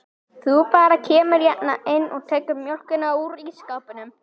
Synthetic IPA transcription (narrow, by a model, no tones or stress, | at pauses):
θupaːɾacʰeːmʏɾjaʔ̪naʔɪnːɔɣt̪ʰejkʏɾmjɔl̥kʏnauɾiskaːpɪnʏm